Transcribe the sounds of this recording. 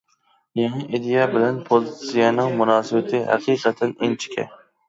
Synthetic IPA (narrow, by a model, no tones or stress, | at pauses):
jeŋiʔed̪ijɑbɪlɛnpʰolɪt̪sijɑnɨŋmunɑːsɪbɪt̪ʰɪɦæ̰qʰiːqʰət̪ʰɛnint͡ʃʰi̥kʲʰɛ̰